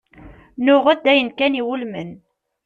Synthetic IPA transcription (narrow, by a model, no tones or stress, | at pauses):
nʊʁæd̪ːæjənkæniwulmən